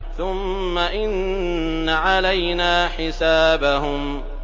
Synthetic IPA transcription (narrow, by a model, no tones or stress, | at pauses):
θʊmːaʔɪnː | aʕalajnaːħɪsaːbaɦʊm